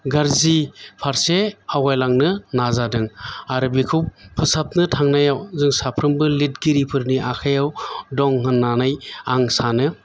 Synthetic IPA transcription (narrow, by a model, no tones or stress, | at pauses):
ɡaɾzipʰaɾseawajlaŋnɯnazadɯŋaɾɯbikʰuwpʰɯsap̚nɯtʰaŋnajawzɯŋsapʰɾɯmbɯlit̚ɡiɾipʰɯɾniʔakʰajawdɔŋhɯnːanajaŋsanɯ